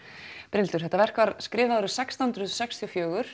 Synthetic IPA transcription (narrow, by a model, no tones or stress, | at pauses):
pɾɪnt̪ʏ̥θɛht̪avɛr̥kvaɾskɾɪːvaðɾʏsɛkst̪ihnd̪ɾʏðsɛkst̪ʰiɔfjœːɣʏɾ̥